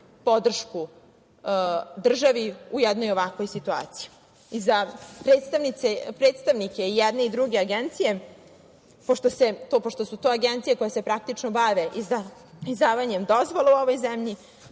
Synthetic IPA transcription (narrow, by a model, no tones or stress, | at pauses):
po̞d̪r̩ʃku | d̪r̩ʒaʋiujɛd̪nojoʋakʋo̞jsit̪ua̰ːt̪si̥ji | izapɾe̞ːt̪st̪aʋnit̪sepɾet̪st̪aʋnike̞ijɛd̪ne̞id̪ɾuɡe̞aɡent̪sije | po̞ʃt̪ose̞t̪opoʃt̪o̞sut̪oːaɡent̪sijeko̞jase̞pɾak̚t̪it͡ʃnobaʋeʔia | izd̪aːʋaɲemd̪ozʋoleuoʋo̞jzemʎi